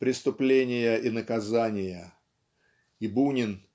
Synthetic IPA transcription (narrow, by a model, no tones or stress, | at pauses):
pɾʲɪst̪ʊplʲenʲɪjəʔinəkɐzanʲɪjə | ibunʲɪn